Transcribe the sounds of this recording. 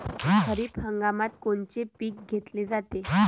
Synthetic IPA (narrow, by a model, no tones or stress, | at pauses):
kʰəɾiːphəŋɡamat̪koɳt͡ɕepiːk̚ɡʱet̪led͡zat̪e